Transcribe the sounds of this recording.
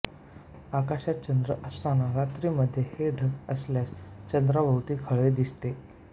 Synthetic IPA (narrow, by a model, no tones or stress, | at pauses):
akaɕjat̪̚t͡ɕənd̪ɾəʔəst̪anaɾat̪ɾiːməd̪ʱːjeheɖʱəkəsljast͡ɕənd̪ɾabʱəwt̪iːkʰəɭed̪ist̪e